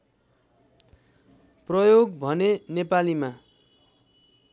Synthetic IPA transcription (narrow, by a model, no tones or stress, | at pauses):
prʌjoɡbʱʌnenepalima